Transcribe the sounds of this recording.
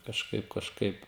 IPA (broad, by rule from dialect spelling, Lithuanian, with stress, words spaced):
kɐʃˈkɐɪp kɐʃˈkɐɪp